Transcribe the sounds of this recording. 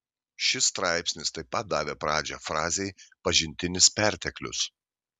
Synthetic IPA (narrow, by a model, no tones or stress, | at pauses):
ʃʲɪst̪ɾɑˑɪpʲsʲnʲɪst̪ɐɪpɐt̪̚d̪ɑːʋʲeːpɾɑːd͡ʒʲɛːfɾɑːzʲeɪpɐʒʲɪnʲt̪ʲɪnʲɪspʲæˑɾʲt̪ʲɛklʲʊ̰s